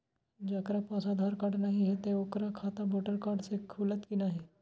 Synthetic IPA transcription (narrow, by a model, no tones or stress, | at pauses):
d͡ʒɐkɾapɔ̃ːsad̪ʱaːɾkaːɾɖnɐɦĩɦɛt̪eʊkɾakʰaːt̪aboːʈəɾkaːɖsekʰuːlət̪kinaɦɛː